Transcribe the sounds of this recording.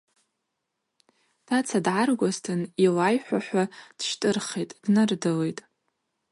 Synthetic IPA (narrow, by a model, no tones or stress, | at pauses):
tʰat͡sʰadʕarɡʷaztʰɨnilajħʷaħʷᶣad̥ʃtʼɨrχejtʼd̥nɨrdale̞jtʼ